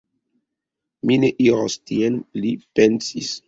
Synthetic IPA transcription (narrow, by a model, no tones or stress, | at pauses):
mineʔiɾostienlipensis